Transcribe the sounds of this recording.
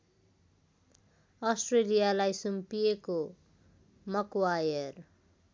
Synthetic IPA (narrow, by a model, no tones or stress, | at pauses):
ʌsʈrelijalajsumpijeko | mʌkwajʌr